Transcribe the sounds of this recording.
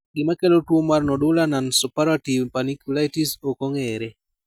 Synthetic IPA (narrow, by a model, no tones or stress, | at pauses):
ɡɪmakelotwomarnɔdʊlanansupaɾativpanikjulaitisokoŋeɾe